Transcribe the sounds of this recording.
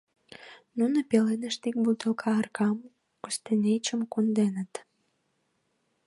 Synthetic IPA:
nunəpelenəʃt̪ik̚but̪əlkʰɑərkʰɑm | kust̪enʲet͡ɕəmkund̪enə̆t̪

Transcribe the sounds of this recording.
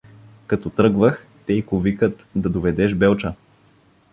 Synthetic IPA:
kɐt̪ɔt̪ɾɤɡvəx | t̪ɛikovikət̪d̪ɐd̪ovɛd̪ɛʒbɛlˠt͡ʃə

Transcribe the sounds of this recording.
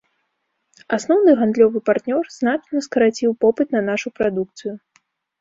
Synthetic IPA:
asnɔwnɨɣand̪lʲɔvɨpart̪nʲɔrznat͡ʂnɐskɐɾat͡sʲiwpɔpɨt̪nɐnaʂupɾad̪uk̚t̪sɨju

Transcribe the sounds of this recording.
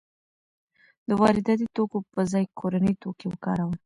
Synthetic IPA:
d̪əwɑɾɪd̪ɑt̪it̪okopəzɑjkʰoɾanəjt̪okewəkɑɾawəl

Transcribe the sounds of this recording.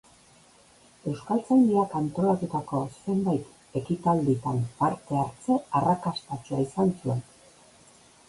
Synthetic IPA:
e̞wskalt͡sajnd̪iakant̪o̞lat̪ut̪ako̞se̞mbajt̪ | e̞kit̪ald̪it̪ampaɾt̪e̞aɾt͡se̞arakast̪at͡ʃuaisansue̞n

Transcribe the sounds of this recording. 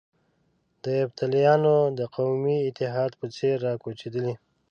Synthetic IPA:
d̪əabt̪alijɑnod̪əqawmiɪt̪ɪɦɑd̪pət͡seɾːɑkot͡ʃed̪əli

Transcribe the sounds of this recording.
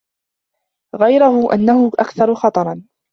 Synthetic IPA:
ɣajɾʊhʊʔa̰nːahʊʔa̰kθɑɾˤʊxɑt̪ˤɑɾˤɑn

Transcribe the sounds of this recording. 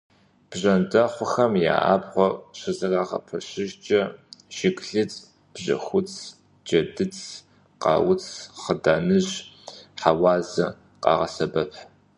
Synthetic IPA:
b̥ʑɐndɐχʷʊxɐmja̰ːʔa̰ːbχʷɔɕɐzɐraːʁɐ̰pʰɐɕɪʒt͡ʃʼɐʃɪkʼɬɨt͡sʼ | b̥ʑɐ̰xʷʊt͡sʰ | d͡ʒɐdɨt͡sʼʰ | qɑ̰ːwʊt͡sʰχədaːnɨʑħawɑːzɐ | qɑ̰ːʁɐsɐbɐpʰħ

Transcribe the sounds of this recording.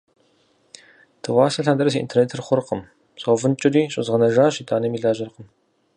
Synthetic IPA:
tʰɨwaːsɐɬand̪ɐrɐs̬iʔḭntʰerneːtʰrχʷʊrqəm | ɕʼoːvɨnt͡ʃʼɪriːɕʼɪ̰zʁɐnɐʒaːɕiːtʰʼaːnɐmiːɮaːʒɐrqəm

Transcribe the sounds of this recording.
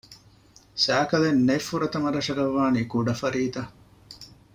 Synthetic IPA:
sæːkɐlenːefːuɾɐt̪ɐmɐɾɐʂɐɡɐʋːaːnikuɖɐfɐɾiːt̪ɐ

